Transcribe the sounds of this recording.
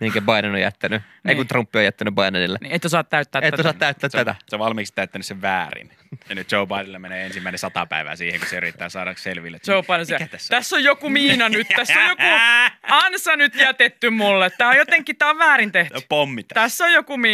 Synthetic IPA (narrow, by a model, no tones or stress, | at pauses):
miheŋkæbɑinenojjæ̰t̪ːæny | eikunt̪rumpːiojæt̪ːænybɑinɑnilːḛnieit̪ːosɑːt̪t̪ːæyt̪ːæːt̪eit̪ːosɑt̪ːæyt̪ːæːt̪ːæt̪æsoʋʋɑlmikst̪æyt̪ːænyseʋʋæːrḭn | jɑnyt̪̚t͡ʃoubɑidilːemeneːensimːæˑinesɑt̪ɑ̰pæ̰iʋæ̰siːheŋkuseyrit̪ːæ̰ːsɑ̰ːɾɑselʋilːet̪t͡ʃoupɑdeseæt̪æsːtæsːojjokumiːnɑnyt̪t̪æsːojjokuɑnsɑnyt̪jæt̪et̪ːymulːet̪t̪æːojot̪eŋkːitt̪æːoʋʋæːɾint̪ehty̥pomːit̪t̪æsːojjokumiː